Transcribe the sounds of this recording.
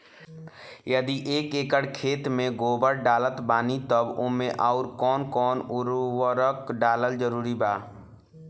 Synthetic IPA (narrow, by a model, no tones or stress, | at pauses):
jəd̪iʔeːkeːkəɽkʰeːt̪mẽɡoːbəɾɖaːlət̪baːnit̪əbʊ̰mẽʔaʊɾkɔːnkɔːnʊɾwəɾəkɖaːləld͡ʒəɾuːɾibaː